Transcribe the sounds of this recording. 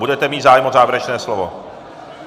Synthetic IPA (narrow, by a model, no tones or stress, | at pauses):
budɛt̪ɛmiːt̪zaːjɛmozaːvjɾɛt͡ʃnɛːslovo̰